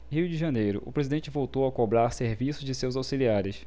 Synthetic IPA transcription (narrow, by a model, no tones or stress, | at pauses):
hiwd͡ʒɪʒɐnejɾʊ̰ʔʊ̰pɾezid̪ẽt͡ʃɪvowt̪owɐkobɾaɾseɾvisʊzd͡ʒɪsewzawsiliaɾɪs